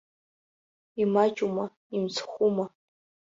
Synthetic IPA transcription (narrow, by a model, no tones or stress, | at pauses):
imat͡ʃʼuma | imt͡sʰχʷuma